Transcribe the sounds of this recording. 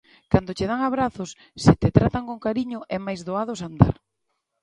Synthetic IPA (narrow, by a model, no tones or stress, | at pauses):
kand̪ot͡ʃeð̞aŋaβ̞ɾaθʊsːɪt̪et̪ɾat̪aŋkoŋkaɾiɲʊʔɛmajzðoað̞osand̪a̰ɾ